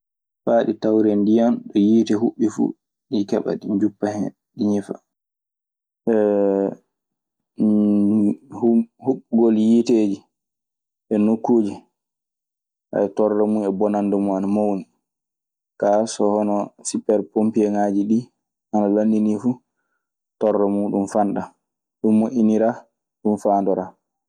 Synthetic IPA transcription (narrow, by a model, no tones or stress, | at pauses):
faːɗitawɾɛndijanɗɔjiːtɛɦuɓːifṵ | ɗikɛ̰ɓa̰ɗiɲd͡ʒupːahɛ̰ | ɗiɲifa̰ | ɛ | hhuɓɡɔljiteːd͡ʒi | ʔɛnokːuːd͡ʒi | ʔa̰ɛtɔrːɛmunɛbɔnandumuanamowni | kasɔhɔnɔsupɛɾpompiɛŋad͡ʒiɗi | ʔanalanːdinifu | tɔrːɛmuɗumfanɗa | ɗumːoʔiniɾa | ɗumfaːndɔɾaː